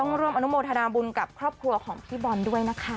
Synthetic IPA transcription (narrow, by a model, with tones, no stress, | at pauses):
t̪ɔ˥˩ŋɾu˥˩əmʔa˧nu˦˥moː˧nt̪ʰa˧naː˧bu˧nka˨˩p̚kʰɾɔː˥˩p̚kʰɾu˧ɐkʰɔː˩˦ŋp̪ʰiː˦˥˩bɔː˧ndu˥˩əjna˦˥kʰa˦˥